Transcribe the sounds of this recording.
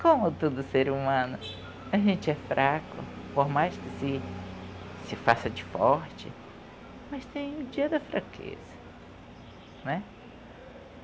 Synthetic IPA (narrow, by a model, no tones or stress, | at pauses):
kõmʊt̪ud̪ʊseɾumɐ̃nʊ | ɐʒẽnt͡ʃɪɛfɾʔakʊpoɾmajskɪsɪ | sɪfasɐd͡ʒɪfɔɾt͡ʃɪ̰ | mɐst̪ẽj̃ʊd͡ʒiɐd̪ɐfɾakʰḛz̥ɐ | nɛ